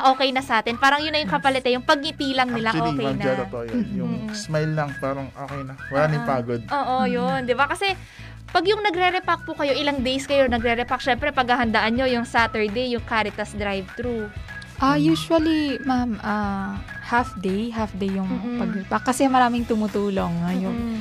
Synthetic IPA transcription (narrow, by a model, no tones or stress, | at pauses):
ʔo̞ːkɛjnɐsɐʔaːt̪ɪnpaːɾɐŋjʊnːɐjʊŋkɐpɐlɛt̪ɛjʊŋpɐɡ̚ʔɪt̪iːlɐŋnɪlaʔolːkɛɐnɐaɐt̪ojojʊŋːsmajlːɐŋpaːɾɐŋʔaːkɛnɐwɐlaːnipaːɡod̪̚ʔoːʔojond̪ɪbakɐsɛ | pɐɡjʊŋnɐɡɾɛɾɛpak̚pʊkɐjo̞ʔɪlaŋd̪ɛjskɐjo̞nɐɡɾɛɾɛpak̚ʃɛmpɾɛpɐɡ̚hɐhɐnd̪aʔɐnɲo̞jʊŋsaːt̪ɛɹd̪ejjʊŋkaːɾɪt̪ɐsd̪ɾajvt̪ɾu | ʔajuːswɐlimamʔɐ | hafd̪ejɦafd̪ejjʊŋppɐɡ̚ɛpakːɐsɛmɐɾaːmɪŋt̪ʊmʊt̪uːlo̞ŋajʊŋ